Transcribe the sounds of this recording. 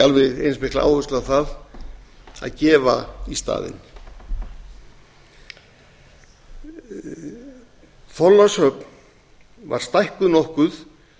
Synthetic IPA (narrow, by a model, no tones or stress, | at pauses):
alvɪðejnsmɪhklaʔa̰ːwvʏst̪lθað | a̰ðcɛːva̰ist̪a̰ːðɪ̰n | θɔlːashœp̚n | va̰ɾ̥st̪ajhkʏðnɔhkʏθ